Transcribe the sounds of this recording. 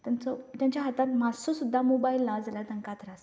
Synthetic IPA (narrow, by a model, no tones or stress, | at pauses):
t̪jant͡sɔt̪jãɲt͡ɕjaɦat̪at̪̚mad͡zsosud̪ʱːamobailːad͡zlat̪əŋkat̪ɾas